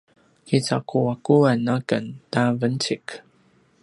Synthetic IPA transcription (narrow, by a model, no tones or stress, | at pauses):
kit͡sa̰kuakuanakəntavənt͡ɕik